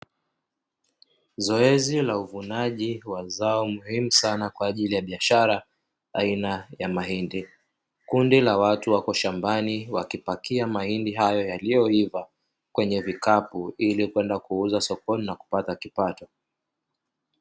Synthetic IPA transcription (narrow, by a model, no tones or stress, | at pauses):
zɔɛzilauvunaʄiwazaɔmuhimusanakwaːʄilijaɓiaʃaɾa | ainajamaɦindi | kundilawatuwakɔʃambaniwakipakiamahindiɦajɔjalijɔhiva | kwɛɲɛvikapuilikwɛndakuuzasɔkɔninaku̥patakipatɔ